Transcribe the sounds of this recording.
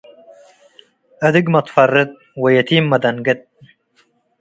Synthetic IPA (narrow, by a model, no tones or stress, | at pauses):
ɐd̪ɪɡmɐt̪fɐrːɨt̪̚ | wɐjɐt̪ʰiːmːɐd̪ɐnɡɐt̪̚